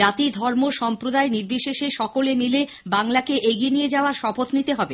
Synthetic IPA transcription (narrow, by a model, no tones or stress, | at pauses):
at̪id̪ʱɔɾmoʃɔmpɾod̪aeniɾb̪iʃeʃeʃɔkolemile | baŋlakeʔeɡienijed͡ʑaoaɾʃɔbot̪nit̪eɦɔbe